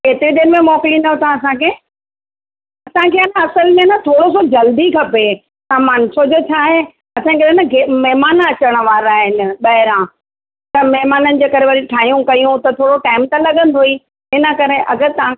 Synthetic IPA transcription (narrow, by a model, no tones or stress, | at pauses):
keːt̪ɪɾid̪eːɾɪmẽmɔːkɪlinɐɦt̪ʰãɐsãkʰeː | ɐsãkʰeːɐnɐsəlmẽnət̪ʰoːɽosod͡ʑɐld̪ikʰɐpe | t̪ãmaːnɪsod͡ʑot͡ɕʰaːɦe | ɐsãikɐɾenɐɡemɐɦmaːnɐt͡ɕəɽ̃ə̆ʋaːɾaːɦɪnɪ̆ɓɐɦɪɾãː | t̪ɐmɛɦmaːnənɪ̆d͡ʑeːkɐɾeʋɐɾiʈʰaːɦijũkɐjũt̪ɐt̪ʰoːɽoʈaːɪmt̪ɐlɐɡə̃nd̪ʱoiː | ɦɪnə̆kɐɾeʔɐɡəɾt̪ɐã